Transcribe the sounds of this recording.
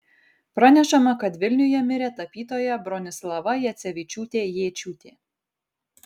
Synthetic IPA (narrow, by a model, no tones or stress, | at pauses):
pɾɐnʲɛʃɐmɐkɐt̪ʋʲɪlʲnʲʊjɛmʲɪɾʲeːt̪ɐpʲiːt̪oːjɛbɾɔnʲɪslˠɐʋɐjɛt̪sʲɛʋʲɪt͡ʃʲuːt̪ʲeːjeːt͡ʃʲuːt̪ʲeː